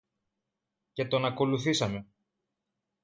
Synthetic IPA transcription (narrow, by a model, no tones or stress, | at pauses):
ce̞t̪o̞nɐko̞luθisɐme̞